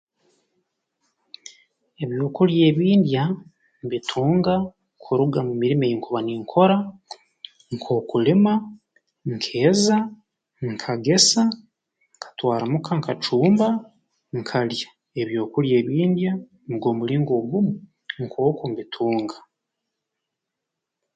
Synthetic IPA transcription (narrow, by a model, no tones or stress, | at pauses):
e̞βjo̞ːkulje̞ːβiːndja | mβitʰuːŋɡa | kʰuɾuɡamumiɾimejiŋkʰuβaniːŋkʰo̞ɾa | ŋkʰo̞ːkulima | ŋkʰe̞ːza | ŋkʰaɡe̞sa | ŋkḁtwaːɾamukʰaŋkat͡ʃuːmba | ŋkʰalja | e̞βjo̞ːkulje̞ːβiːndja | nɡo̞ːmuliːŋɡo̞ːɡumu | ŋkʰo̞ːkumbitʰuːŋɡḁ